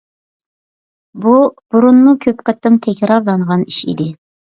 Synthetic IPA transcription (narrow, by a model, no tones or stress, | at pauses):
bub̥uɾunmukʲʰøpqət̪ːɨmt̪ʰɛkʲɾɑɾlˠɑɴʁɑniʃḭd̪ɪ